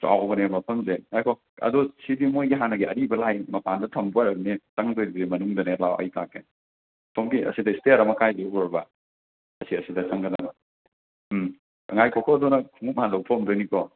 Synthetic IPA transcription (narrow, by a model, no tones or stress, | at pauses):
sa̰wɔɡɐnemɐpʰɐmzeŋajkʰɔ | ɐ̰dɔsibimojɡiɦanɐɡiɐɾibɐlajmɐpʰandɐtʰɐmbuwaɾɐk̚nit͡ʃaŋdojbemɐnuŋdɐnelawɐ̰jtakːe | tʰomɡiɐ̰sidɐisteɾɐmɐkajzeɡɔɾbɐ | ɐsiɐsidɐt͡ʃɐŋɡɐnɐ | ɐŋajkʰɔkʰɔdɔnɐkʰuŋup̚ɦandɐwpʰomdojnikɔ